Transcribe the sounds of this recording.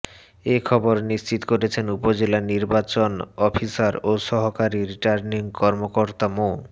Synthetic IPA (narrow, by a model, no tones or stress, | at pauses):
ekʰɔboɾnist͡ɕit̪o̥koɾet͡ɕʰenupod͡ʑelaniɾbat͡ɕonɔpʰisaɾoʃɔɦokaɾiɾiʈaɾniŋkɔɾmokoɾt̪amo